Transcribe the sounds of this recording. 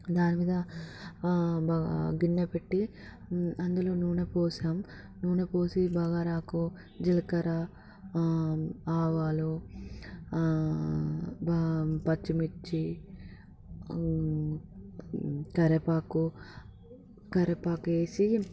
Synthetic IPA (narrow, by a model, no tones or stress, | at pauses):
d̪aːnimiːd̪ɐ | baɡinːɐpeʈːi | ɐnd̪uloːnuːɳɐpoːsaːm | nuːɳɐpoːsibaːɡaɾaːku | d͡ʒilɐkɐɾɐ | aːʋaːlu | bpɐt͡ʃːimit͡ʃːi | kɐɾepaːku | kɐɾepaːkeːsi